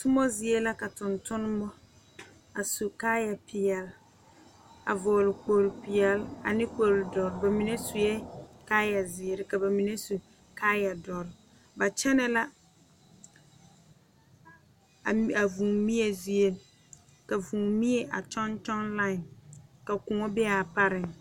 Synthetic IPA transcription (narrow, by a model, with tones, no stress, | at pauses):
tʊ˦mɔ˦zɪ˦e˦la˦ka˨tʊ˨ntʊ˦n˦mɔ˦ | a˨su˨kaː˦ja˨pʰɪ˨ɛ˨l | a̰˨vɔː˨lɪ˨k͡po˨ɾɪ˨pɪ˨ɛ˨la̰˨nɪ˦k͡po˨lʊ˨dɔ˨ɾɪ˨ba˨mi˨ne˦su˨jɛ˦kaː˦ja˨zɪ˨e˨ɾɪ˨ka˨ba˨mi˨ne˦su˨ | kaː˦ja˨dɔ˨ɾɪ˨ | ba˨t͡ʃɛ˦nɛ˦la˦˨ | a˨vũ˨mi˦ɛ˨zi˦e˨l | ka˨vũ˨mi˦e˨ʔa̰˨t͡ʃɔ˦nt͡ʃɔ˦nla˦ɪ˨nka˨kʊ˨ŋɔ˦bɪ˦a˨pa˦ɾɪ˨ŋ